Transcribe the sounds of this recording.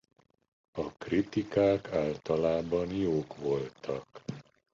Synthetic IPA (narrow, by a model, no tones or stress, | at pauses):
ɒkrit̪ikaːkʰaːlt̪ɒlaːbɒnjoːkʋo̞lt̪ʰɒk